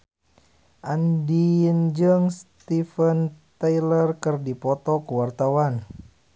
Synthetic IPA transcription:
ʔandind͡ʒəŋst̪ifənt̪ajlərkɨrdipɔt̪ɔkəwart̪awan

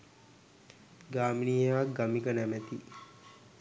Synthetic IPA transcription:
ɡaːminiːaːɡamikənæmæt̪i

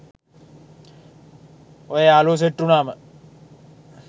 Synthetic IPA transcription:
ojeaːloːs̬eʈːunaːmə

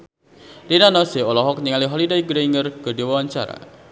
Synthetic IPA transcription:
linanɔseɔlɔɦɔk̚ɲiŋaliɦɔlidaiɡəɾeiŋərɡ̥ɔ̤diwawaɲt͡ʃa̰ɾa̰

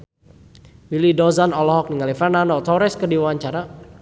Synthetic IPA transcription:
wilidɔzanɔlɔɦɔk̚niŋalifɛrnanɔt̪ɔɾɛskədiwaaɲt͡ʃaɾa

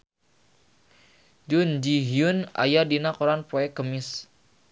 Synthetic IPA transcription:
d͡ʒund͡ʒiɦiuna̰jadinakoɾanpoɛkːəmɪs

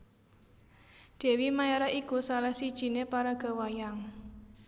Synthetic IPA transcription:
d̪̥ɛ̤wimajaɾaʔikusalahsid̥ʒ̥i̤nepaɾaɡ̥a̤wajaŋ

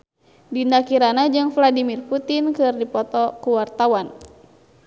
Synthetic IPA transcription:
dinakiɾanad͡ʒɨŋfladimirput̪inkɨrdipɔt̪ɔkuwart̪awan

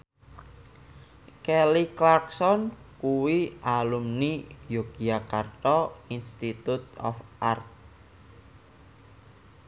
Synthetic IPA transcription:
kɛliklarksɔnkuwialumnijoɡiakart̪ɔinst̪it̪ut̪̚ɔ̰fʔart̪̚

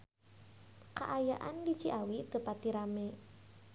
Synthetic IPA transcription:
ka̰ʔajaʔandi̥t͡ʃiʔawit̪əpat̪iɾame

